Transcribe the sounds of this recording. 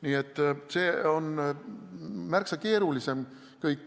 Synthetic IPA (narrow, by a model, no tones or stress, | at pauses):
niːet̪ːˑse̞ːo̞n | mærksɑke̞ːɾulise̞m | kɤjkː